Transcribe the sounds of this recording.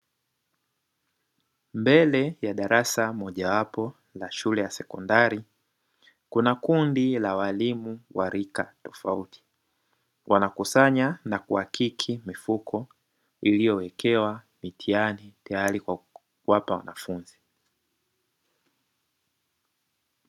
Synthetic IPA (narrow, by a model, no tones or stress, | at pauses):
mbɛlɛjaɗaɾasamɔʄawapɔ | laʃulɛjasɛkɔndaɾi | kunakundilawalimuwʔaɾikatɔ̥fautʰi̥ | wʔanakusaɲanakuakikʰimifukʰɔ | ilijɔwɛkʰɛwa | mitʰianitajaɾikwa | kuwapawa̰nafunzi